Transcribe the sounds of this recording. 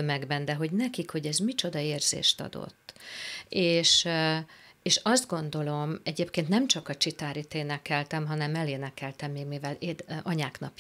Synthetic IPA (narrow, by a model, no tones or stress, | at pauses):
ømɛɡbɛnd̪ɛɦo̞ɟnɛkikho̞ɟɛzmit͡ʃo̞d̪ɒeːrz̥ḛːʃt̪ɒ̰d̪o̰t̪ːeːʃ | eːʃɒzd̪ɡo̞nd̪o̞lo̞mɛɟeːpkeːnt̪nɛmt͡ʃɒkɒt͡ʃit̪aːɾit̪eːnɛkɛlt̪ɛmɦɒnɛmɛleːnɛkɛlt̪ɛmːiːɡmivɛleːd̪ɒɲaːknɒp